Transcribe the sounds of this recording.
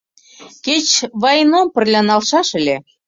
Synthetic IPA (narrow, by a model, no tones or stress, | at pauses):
ket͡ɕβɑjnompə̆rlʲɑnɑlʃɑʃə̆lʲe